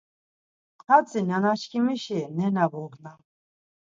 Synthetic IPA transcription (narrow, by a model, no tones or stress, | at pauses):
qʰʼat͡sʼinanat͡ʃkʰimiʃinɛnavɔɡna